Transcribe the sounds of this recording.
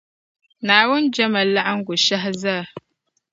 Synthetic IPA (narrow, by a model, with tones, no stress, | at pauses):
naː˨wʊ˦nd͡ʒɐ˦ma˨la˦ʔa˦ŋɡʷʊ˨ʃa˦ɦza˦˨